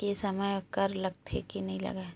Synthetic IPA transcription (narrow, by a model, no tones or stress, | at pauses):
kesɐməjkɐɾlɐɡ̚t̪ʰḛkenɐɦĩlɐ̰ɡa